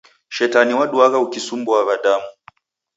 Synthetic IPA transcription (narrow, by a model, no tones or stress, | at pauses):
ʃɛtaniwaɗuaɣaukisumbɔavaɗamu